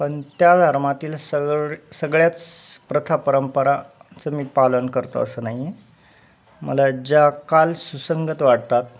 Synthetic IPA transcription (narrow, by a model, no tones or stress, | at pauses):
pəɳt̪jad̪ʱəɾmat̪iːlsəsəɡɭjat͡spɾət̪ʰapəɾəmpəɾat͡səmiːpalənkəɾt̪o̰ə̰səːnaɦie | mə̰lad͡ʑakalsusəŋɡət̪ʋaɽt̪at̪̚